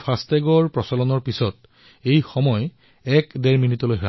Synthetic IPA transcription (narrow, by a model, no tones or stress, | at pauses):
pʰastɛɡɔɹpɹɔsɔlɔnɔɹpisɔt̚ | ejxɔmɔj | ɛkdɛɹminitɔlojɦa